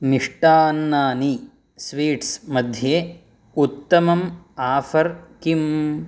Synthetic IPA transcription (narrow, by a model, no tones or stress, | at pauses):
miʂʈaːnːaːni | sʋiːʈsmɐd̪ʱjeː | ut̪ːɐmɐmaːfʰɐɾkim